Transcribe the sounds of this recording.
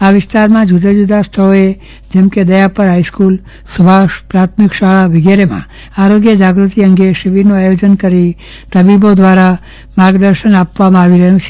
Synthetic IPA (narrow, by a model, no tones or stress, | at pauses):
aʋɪst̪aɾmãd͡ʒud̪ʱad͡ʒud̪ʱast̪ʰəɭoe | d͡ʒɛmked̪əjapəɾɦaiskul | səbʱaʃpɾat̪ʰmikʃaɭaʋɪɡaɾemã̰ | aɾoɡjəd͡ʒaɡɾut̪iəŋɡeʃiʋiɾnũajod͡ʒənkəɾi | t̪əbibod̪ʋaɾa | maɡd̪əɾʃənapʋamãaʋiɾəɦjũt͡ʃʰe̥